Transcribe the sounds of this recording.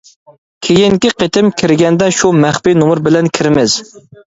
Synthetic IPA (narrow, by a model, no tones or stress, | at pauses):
kʲʰejiŋkʲiqʰet̪ɪmkʲʰɪɾɡʲɛnd̪ɛʃumæχpinomʊɾbɪlɛnkʲʰɪɾɪmɪz̥